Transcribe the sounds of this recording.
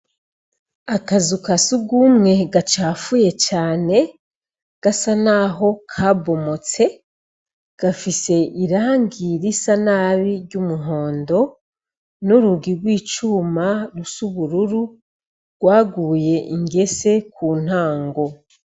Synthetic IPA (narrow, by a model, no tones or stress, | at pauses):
akazukasuɡumŋe̞ɡat͡ʃaːfuje̞t͡ʃaːne̞ | ɡ̥asanaɦo̞kʰabo̞mo̞t͡se̞ | ɡ̥afise̞ʔiɾaːŋɡiɾisanaβiɾɟumuɦo̞ːndo̞ | nuɾuɡiɾɡwiːt͡ʃumaɾusuβuɾuɾu | ɡ̥waːɡuːje̞ʔiŋɡe̞se̞kʰuːn̥aːŋɡo̞